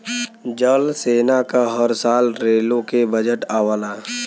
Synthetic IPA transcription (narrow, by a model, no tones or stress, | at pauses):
d͡ʒəlseːnakaɦəɾsaːlɾeːlõkebəd͡ʒəʈaːwəlaː